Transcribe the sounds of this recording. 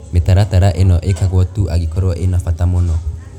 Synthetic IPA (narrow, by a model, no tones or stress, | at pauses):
metaɾataɾaʔenɔʔekaɣwɔtuʔaɡikɔɾɔʔenafatamonɔ